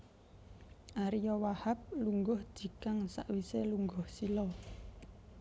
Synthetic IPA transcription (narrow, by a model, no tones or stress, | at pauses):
ʔaɾijɔwahap̚luŋɡɔhd̥d͡ʒ̥i̤kaŋsa̰ʔwiseluŋɡɔhsilɔ